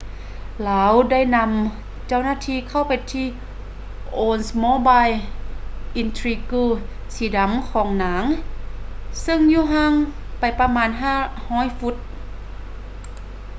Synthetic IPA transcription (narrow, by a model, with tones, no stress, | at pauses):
laː˨˦wda˥˩˨jna˧˥m | t͡ɕa˥˩wnaː˧˥˨t̪ʰiː˧˩˨kʰa˧˥˩wpa˨jt̪ʰiː˧˩ | ʔoː˧nsmoː˧˨baː˧˨j | ʔi˧nt̪ʰɾiː˧kuː˧˩ | siː˨˧˦da˨˧˦mkʰɔː˩˦ŋnaː˩˦ŋ | sɯ˧˥˨ŋjuː˧˩ɦa˥˨ŋ | pa˨˩jpa˧maː˧˥nɦaː˥˩hɔː˧˥˨jfu˧˥t̪̚